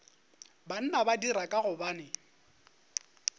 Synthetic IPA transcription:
ban̩nabadiɾakʼaɣʊbaːnɪ

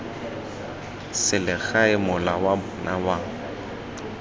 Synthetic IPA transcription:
sɪlɪɣaɪmʊlawabʊnawaːŋ̩

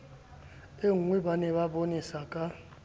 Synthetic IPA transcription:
eŋwibanɛβabonisakʼa

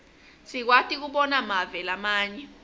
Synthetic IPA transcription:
sik̬watʰʼik̬uɓɔnamavɛlamaːɲɛ

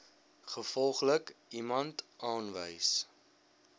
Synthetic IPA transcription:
χəfɔlˠχləkimɐntʔɑːnvə̰js

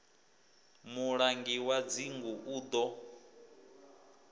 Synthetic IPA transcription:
muɺaŋɡiwad͡ziŋɡuʔuːd̪ɔ

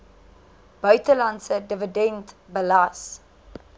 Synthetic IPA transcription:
b̥œɥtəlɐntsədəvədɛntbəlɐs

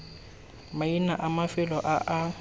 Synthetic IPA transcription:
mainaʔamafɪlɔʔaʔa

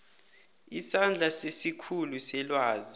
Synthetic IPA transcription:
isand͡ɮʱasesikʰulusɛlwaːzi

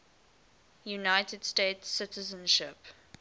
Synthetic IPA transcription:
junaɪtədsteɪtsːɪtəzə̃nʃɪp

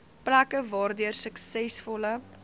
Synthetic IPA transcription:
plækəvɑːrdyərsəksɛsfɔlə

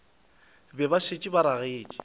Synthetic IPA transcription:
bɛbaʃet͡ʃʼibaɾaɣeːt͡ʃʼi̥

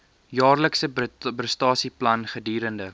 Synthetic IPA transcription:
jɑːrləksəbəstɑːsiplɐnχədiːɾəndə

